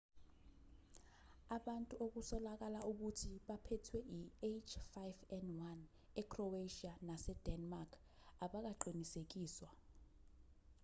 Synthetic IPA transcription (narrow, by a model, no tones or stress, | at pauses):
aɓantʼuʔok̬usɔlak̬alauk̬utʰiɓapʰɛtʰwɛʔiet͡ʃʰfajvɛndwan | ɛkʰrɔeʃianasɛd̥ɛnmarkʰ | aɓak̬aǃinisek̬iːswa